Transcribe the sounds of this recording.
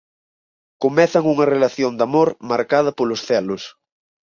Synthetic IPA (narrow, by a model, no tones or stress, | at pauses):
komɛθɐŋuŋɐrelaθjond̪amoɾmaɾkað̞ɐpolʊsθɛlʊs